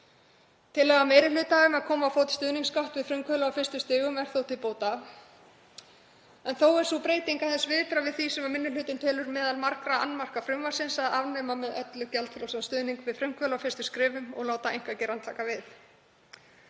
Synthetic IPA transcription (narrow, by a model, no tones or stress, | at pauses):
t̪ʰɪlːɛːɣamejɾɪlʏːt̪aʏmaðkʰɔːmawfoːwt̪st̪ʏːðniŋskawht̪vɪðfɾʏmkʰvœlaaːwfɪrst̪ʏst̪ɪːɣʏmɛɾ̥θowt̪ɪlpoːwt̪a | ɛnθowɛɾ̥supɾeːjt̪iŋkaθɛnsvɪːðpɾavɪðθisɛmamɪnːɪlʏːt̪ɪnt̪ʰɛːlʏɾmɛːðalmaɾkɾaanːmar̥kafɾʏmvaɾ̥sɪnsaðavnɛːmamɛðœt̪lʏɣcɛlt̪fɾawsanst̪ʏːðniŋkvɪðfɾʏm̥kʰvœːlawfɪrst̪ʏmskɾɪːvʏmɔ̰ɣloːwt̪aejŋ̥kvacɪɾant̪la̰ːkavɪθ